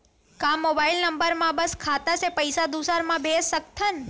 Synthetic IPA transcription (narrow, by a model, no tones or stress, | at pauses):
kãmobailnəmbəɾmãbəskʰat̪asepəjsad̪usaɾmãbʱessək̚t̪ʰən